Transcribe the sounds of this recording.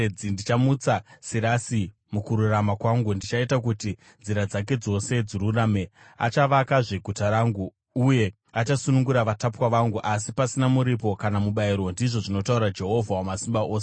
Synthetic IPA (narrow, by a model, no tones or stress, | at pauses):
indit͡ʃamut͡sasiɾasi | mukuɾuramakwaŋɡundit͡ʃaitak̬uti | nd͡ziɾad͡zak̬e̞d͡zo̞se̞d͡ziɾuraːme̞ | a̰t͡ʃaʋakaʐe̞ɡʱutaɾaːŋɡu | uje̞ | at͡ʃasunuŋɡuɾaʋatapwaʋaŋɡuʔas̬ipasinamuɾipo̞kanamuɓaiɾwo̞ndiʐo̞ʐino̞tauɾad͡ʒe̞ɦo̞vʱawamasimbaʔoːse